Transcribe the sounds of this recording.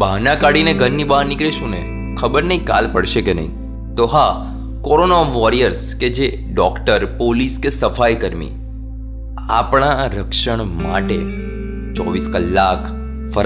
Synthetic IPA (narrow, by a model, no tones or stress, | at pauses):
bʱaɦnãkaɽineɡʱənːibaɦnɪkɭeʃũnḛ | kʰəbəɾnəĩka̰lpəɽʃekenə̰ɦḭ̃ | t̪oɦa | kɔɾonaʋɔɾijəɾsked͡ʒe | ɖɔkʈəɾpoliskesəfajkəɾmḭ | a̰pɳ̃aɾəkʃəɳ̃ma̰ʈe | t͡ʃɔʋiskəlːakʰ | fəɾ